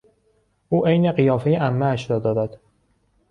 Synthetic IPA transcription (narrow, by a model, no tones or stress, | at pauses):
ʔuːʔejneɢijɒːfejeʔæmːæːʃɾɒːd̪ɒːd̪æd̪̥